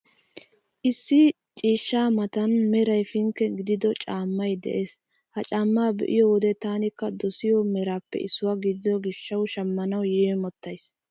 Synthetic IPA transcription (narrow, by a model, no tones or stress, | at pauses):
ʔɪsːɪ | t͡ʃʼiːʃːaːmɐt̪ɐnmɛɾɐjfɪŋkːɛɡɪd̪ɪd̪ɔt͡ʃʼaːmːɐjd̪ɛ̰ʔe̞ːs | hɐt͡ʃʼamːaːbɛ̰ʔɪ̰jɔwɔd̪ɛt̪aːnɪkːɐd̪ɔsɪjɔmɛɾaːpːɛ̰ɪsːʊwaɡɪd̪ɪd̪ɔɡɪʃːɐwʃɐmːɐnɐwjemɔt̪ːɐjs